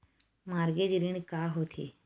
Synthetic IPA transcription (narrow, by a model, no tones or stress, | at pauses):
maːɾɡeːd͡ʒɾiɳkaːɦoːt̪ʰḭː